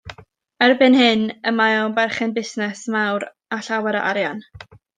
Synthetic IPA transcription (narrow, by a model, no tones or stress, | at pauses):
ɛrbɪnhɨnəmajɔbɛrχɛnbɪsnɛsmawɾ | aɬawɛɾə̰ʔaɾjan